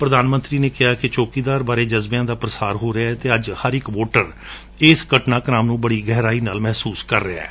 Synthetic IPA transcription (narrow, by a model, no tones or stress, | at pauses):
pɾəd̪aːnmənt̪ɾiːneːkɪɦaːkɪt͡ʃoːkiːd̪aːɾbaːɾeːd͡ʒəzbejãːd̪aːpɾəsaːɾɦoːɾəaɛt̪eːəd͡ʒhəɾɪkʋoːʈəɾ | ɪːskəʈnaːknaːmnũːbəɽiːɡɛɦɾaːiːnaːlmɛɦsuːskəɾːeaɛ̰ː